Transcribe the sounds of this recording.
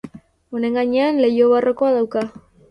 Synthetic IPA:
o̞neŋɡaɲe̞anle̞jo̞βarʔo̞ko̞aðawka

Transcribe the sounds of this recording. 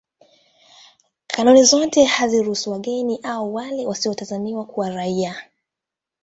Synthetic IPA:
kʰanunizɔtɛhaziɾuhusuwaɠɛniʔauwalɛwasiɔtazaniwakuwaɾaia

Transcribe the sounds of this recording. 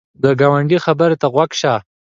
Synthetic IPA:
d̪əɡawaɳɖixabəɾet̪aɣwaɡʃa

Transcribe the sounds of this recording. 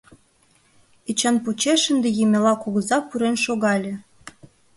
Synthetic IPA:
it͡ɕɑnpot͡ɕeʃənd̪ejemʲelɑkuɣəzɑpuɾenʃoɣɑlʲĕ

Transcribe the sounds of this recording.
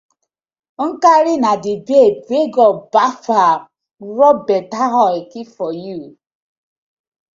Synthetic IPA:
ŋ̩kaɾɪnadɪbebeɡɔbafa | ɾɔbɛtaɦɔekifɔju

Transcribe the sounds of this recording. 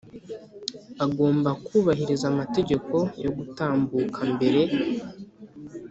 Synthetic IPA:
aɡo̞ːmbakuːβaɦiɾizamate̞ɟe̞ko̞jo̞ɡutaːmbuːkʰambe̞ɾe̞

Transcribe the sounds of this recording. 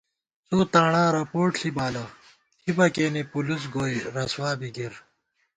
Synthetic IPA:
t͡soːt̪aːɳãːɾɐpoːʈɬibaːlɐ | t̪ʰibɐkeːnipulus̬ɡoːjɾɐswaːbiɡiɾ

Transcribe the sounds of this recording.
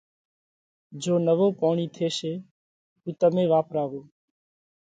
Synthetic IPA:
d͡ʒoːnəʋoːpɔːɳ̃iːt̪ʰeːʃeː | tuːt̪əmẽːʋaːpɾaːʋoː

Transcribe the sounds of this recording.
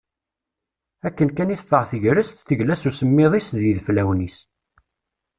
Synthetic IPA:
ækːənkæniθfəʁθəʝɾəst̪θəʝlæsusəmːɪðˤisðiðflæwnis

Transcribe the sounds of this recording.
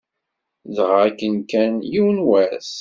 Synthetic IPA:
ðəʁækːənkænjiwnwæs

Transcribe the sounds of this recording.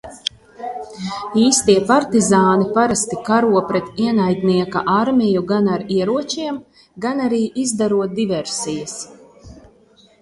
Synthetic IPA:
iːst̪iɛpaɾt̪izaːnipaɾast̪ikaɾuɔpɾɛt̪iɛnajd̪ʲniɛkaʔaɾmʲijuɡanaɾiɛɾuɔt͡ʃiɛm | ɡanaɾiːʔizd̪aɾuɔt̪̚d̪ivɛɾsijɐs

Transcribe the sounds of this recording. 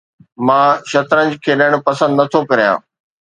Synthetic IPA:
mãːʃɐt̪ɾə̃nd͡ʑkʰeːɗəɽ̃pɐsə̃nd̪nɐt̪ʰokɐɾijã̰ː

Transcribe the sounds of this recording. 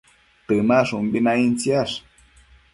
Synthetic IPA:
t̪ɨmaʂumbinaint͡sjaʂ

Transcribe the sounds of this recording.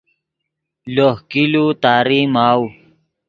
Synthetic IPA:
lohkilut̪aːɾimaːw

